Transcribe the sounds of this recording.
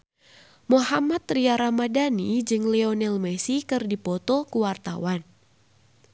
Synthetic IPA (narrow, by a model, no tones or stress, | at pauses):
mohamat̪riaɾamadanid͡ʒɨŋlɛɔnɛlmɛsikɨrdipɔt̪ɔkuwart̪a̰wan